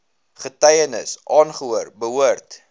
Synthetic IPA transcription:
χətɛjənə̰sʔɑːnχəuərbəɦuərt

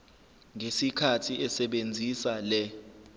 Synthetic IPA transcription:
ŋesikʰatʰiʔɛsɛɓend͡zʱisalɛ

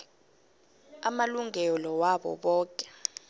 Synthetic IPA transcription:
amaluŋʱɛlɔwaɓɔ̰ɓɔːkʼɛ̥

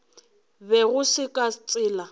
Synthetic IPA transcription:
bɛɣʊsɪkʼat͡sʼɪːla

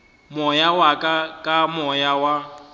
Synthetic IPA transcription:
mʊjawakʼakʼamɔjawa

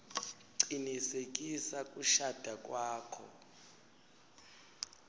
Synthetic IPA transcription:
ǀinisekʼisakʼuʃad̥ʱakʼwaːkʰɔ̰

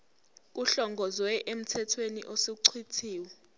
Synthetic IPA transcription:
k̬uɬɔŋɡʱɔzwɛʔem̩tʰɛtʰwenḭʔosek̬uǀʰwitʰiːwɛ

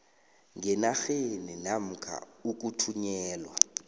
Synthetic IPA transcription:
ŋɛnaxeninam̩kʰa̰uk̬ʼutʰuɲɛːlwa

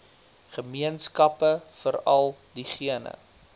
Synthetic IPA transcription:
χəmiənskɐpəfəɾɐlˠdiχiənə̰

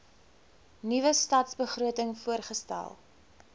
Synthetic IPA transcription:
nivəstɐtsbəχruətəŋfuərχəstæ̰lˠ

